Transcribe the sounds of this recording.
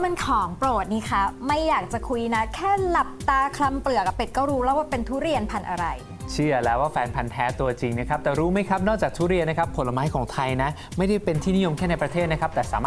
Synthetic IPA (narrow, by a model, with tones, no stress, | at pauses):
ma˧nkʰɔː˩˦ŋpɾoː˨˩t̪̚niː˦˥kʰa˦˥ma˥˩jːaː˨˩k̚t͡ɕa˨˩kʰu˧jna˦˥kʰɛː˥˩la˨˩p̚t̪aː˧kʰla˧mplɯ˨˩əka˨˩pe˨˩t̪̚kɔː˥˩wɾuː˦˥lɛː˦˥˩waː˥˩pe˧nt̪ʰuː˦˥ɾi˧ənpʰa˧nʔa˧ɾa˧j | t͡ɕʰɯ˥˩ɐlɛː˦˥waː˥˩fɛː˧npʰa˧nt̪ʰɛː˦˥t̪u˧ɐt͡ɕi˧ŋna˦˥kʰa˦˥p̚t̪ɛː˨˩ɾuː˦˥ma˦˥˩jkʰa˦˥p̚nɔː˥˩k̚t͡ɕaː˨˩k̚t̪ʰuː˦˥ɾi˧ənːa˦˥kʰa˦˥pʰːo˨˦lːa˧maː˦˥jkʰɔː˩˦ŋt̪ʰa˧jna˦˥ | ma˥˩jda˥˩jpe˧nt̪ʰiː˥˩ni˦˥jo˧mkʰɛː˥˩na˧jpɾa˧t̪ʰeː˥˩t̪̚na˦˥kʰa˦˥p̚t̪ɛː˨˩saː˩˦maː˩